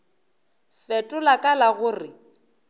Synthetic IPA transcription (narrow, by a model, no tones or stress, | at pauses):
fɛtʼʊlakʼalaɣʊːrɪ